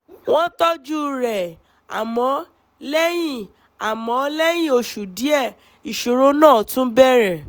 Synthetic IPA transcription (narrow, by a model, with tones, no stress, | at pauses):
w̃ɔ̃˦tɔ˦d͡ʒu˦˧ɾɛ˨ | a̰˨mɔ̃˨˦ | lɛ˦j̃ĩ˦˨ | a˨mɔ̃˨˦lɛ˦j̃ĩ˦˨o˧ʃu˨di˨˦ɛ˦˨ | i˨ʃo˨ɾo˦nãː˦˨tũ˦bɛ˦ɾɛ˨